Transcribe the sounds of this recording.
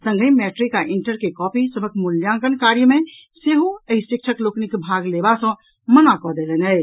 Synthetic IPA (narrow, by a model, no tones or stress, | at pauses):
sə̃ŋɡəmɛːʈɾikːaʔɪ̃ɳʈəɾkekɔːpisəbʱəkmuljãːŋkənkaːɾjəmẽ | seɦuəisʈik̚t͡ʃʰəkloknikbʱaːɡlebasə̃ | mənakɔd̪elenɦəɪ